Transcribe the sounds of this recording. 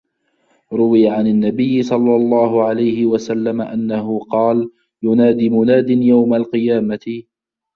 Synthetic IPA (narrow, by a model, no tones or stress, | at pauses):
ɾˤʊwɪjaʕanɪnːabɪjːɪsˤɑlːɑlˤːɑːhʊʕalajhɪwasalːamaʔanːaɦʊqɑːl | jʊnaːd̪imʊnaːd̪ɪnjawmalqɨjaːmat̪ɪ